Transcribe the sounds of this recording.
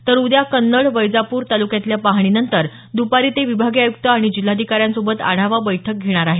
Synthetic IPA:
t̪əɾud̪jakənːəɭʋəjd͡zapuːɾt̪alukjat̪ljapaɦɽ̃inənt̪əɾ | d̪upaɾiːt̪eʋibʱaɡiajuk̚t̪əaɽ̃id͡ʑil̤ːad̪ʱikaɾjãnsobət̪a̰ɽ̤̃aʋabəjʈʰək̚ɡʱeɽ̃aɾaɦe

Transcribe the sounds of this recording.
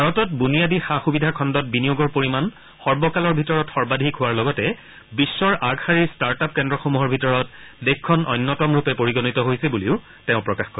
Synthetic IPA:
bʱaɹɔtɔt̚bunijadixaxubidʱakʰɔndɔt̚binijoɡɔɹpoɹiman | xɔɹbɔkalɔɹbʱitɔɹɔtxɔɹbadʱikʰʊwaɹlɔɡɔtɛ | bisːɔɹʔaɡhaɹiɹstaɹtap̚kɛndɹɔxomuɦɔɹbʱitɔɹɔt̚dekkʰːɔnʔɔjnːɔtɔmɹupɛpoɹiɡɔnitɔɦojsɛbuliʊ | teʊ̃pɹɔkaxkɔɹ

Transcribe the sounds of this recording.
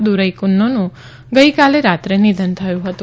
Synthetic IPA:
d̪uɾəjkʊnːonũ | ɡəikaleɾat̪ɾenid̪ʱənt̪ʰəjũɦət̪u

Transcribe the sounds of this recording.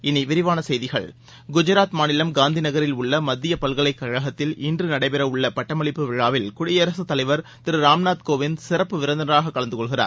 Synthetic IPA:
ɪniʋɪɾɪʋaːnɐsɛjðɪɣɐ̰ɭ | ɡʊd͡ʒɐɾaːt̪maːnɪlɐmɡaːnd̪ʱinɐɣɐɾɪlʊɭːɐmɐd̪ːɪjɐpɐlɣɐɭɐɪkːɐɻɐɣɐt̪ːɪlɪndrɯnɐɽɐɪpɛɾɐʊɭːɐpɐʈːɐmɐɭɪpːɯʋɪɻaːʋɪlkʊɽɪjɐɾɐsɯt̪ɐlɐɪʋɐɾ | t̪ɪɾɯɾaːmnaːt̪̚koːʋɪnsɪɾɐpːɯʋɪɾɐnd̪ɐnɐɾaːɣɐkːɐɭɐnd̪ɯkɔɭɣɪra̰ːɾ

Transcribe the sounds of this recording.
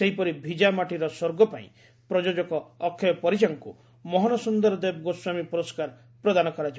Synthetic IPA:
seɦipɔɾibʱid͡ʒamaʈiɾɔsoɾɡɔpaḭ̃ | pɾɔd͡ʒod͡ʒɔkɔːkʰːɔjɔpɔɾit͡ʃaŋku | mɔɦɔnɔsund̪ɔɾɔd̪eb̚ɡoswamipuɾɔskaɾ | pɾɔd̪anɔkɔɾad͡ʒi

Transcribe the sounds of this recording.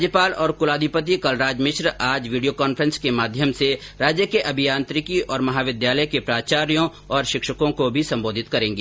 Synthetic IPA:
d͡ʒjəpaːlɔːɾkʊlaːd̪ʱɪpət̪̬ikɐlɾaːd͡ʒmɪʃɾaːd͡ʒʋiːɖijokaːnfʰəɾə̃nskemaːd̪ʱjəmseɾaːd͡ʒjəkeʔɐbʱijãːnt̪ɾɪkiʔɔːɾmɐɦaːʋɪd̪jaːləjkepɾaːt͡ʃaːɾjõ | ɔːɾʃɪkʃəkõkobʱisɐ̃mboːd̪ʱɪt̪kɐɾẽːŋɡe

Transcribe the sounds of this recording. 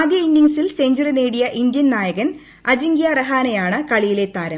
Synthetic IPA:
aːd̪jɐinːiŋsilseːɲd͡ʑurineːɽijɐʔind̪jɐnnaːjɐɣɐn | ɐd͡ʑiŋɡijaːrɐɦaːnɐjaːɳɨkɐɭijile̞t̪aːɾɐm

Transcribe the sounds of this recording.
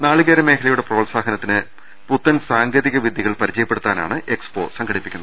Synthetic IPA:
naːɭɨɣeːɾɐme̞ːkʰɐlɐjuɽe̞proːɭsaːɦɐnɐt̪ːinɨ | put̪ːɐnsaːŋɡɐðiɣɐʋid̪ʱːiɣɐɭpɐɾit͡ɕɐjɐpːeɽut̪ːaːna̰ːɳɨʔekspo̞̰ːsɐŋɡʰʱɐɽipːikʲːunːɐð

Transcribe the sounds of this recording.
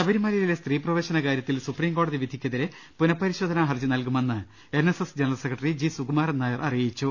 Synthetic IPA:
sɐbɐɾimɐːlɐjilest̪riːprɐʋe̞ːɕɐnɐkaːɾjɐt̪ːilsupriːmko̞ːɽɐðiʋid̪ʱikʲːɐðiɾe | punɐpːɐɾiɕo̞ːd̪ʱɐnaɦɐrd͡ʑunɐlkume̞nːɨ | e̞nesesd͡ʑenɐrɐlsekːrɐʈːɐrid͡ʑisuɡumaːrɐnːaːjɐrʔɐrijit͡ɕːu

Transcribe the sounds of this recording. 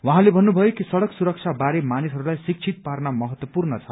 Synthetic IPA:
waɦãlebʱʌnːubʱʌjokisʌɽʌksuɾʌk̚t͡sʰabaɾemanisɦʌɾulajsik̚t͡sʰit̪̚parnamʌɦʌt̪wʌpurnʌt͡sʰʌ

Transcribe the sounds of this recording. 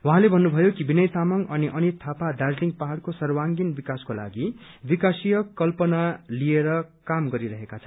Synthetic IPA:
wʌɦãlebʱʌnːubʱʌjokibinʌjt̪amʌŋʌniʔʌnit̪ʰapad̪arliŋpaɦaɽkosʌrwaŋɡinbikaskola̰ɡibikasijʌkʌlpʌnalieɾʌkamɡʌɾiɾʌɦekat͡sʰʌ̥n

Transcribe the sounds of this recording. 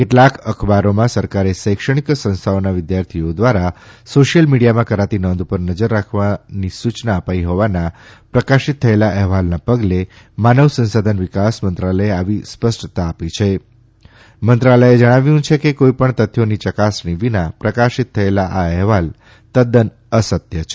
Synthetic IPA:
keʈlakəkʰbaɾomãsəɾkaɾesəjkʃəɽ̃iksə̃ñst̪ʰaonaʋɪd̪jaɾt̪ʰiod̪ʋaɾasoʃijəlmiɽijamãkəɾat̪inɔnd̪upəɾnəd͡ʒəɾːakʰʋanisut͡ʃnaəpaiɦoʋanãpɾəkaʃit̪ʰːəelaʔɛɦʋalnapəɡle | manəʋsə̃nsad̪ʱənʋɪkasmənt̪ɾaləeaʋispəsʈt̪aːpit͡ʃʰe | mənt̪ɾaləjed͡ʒəɽ̃aʋjũt͡ʃʰekekoipəɳt̪ət̪ʰːjonit͡ʃəkasɳiʋinapɾəkaʃit̪ʰːəelaʔaɛɦʋal | t̪əd̪ən | əsət̪jət͡ʃʰe

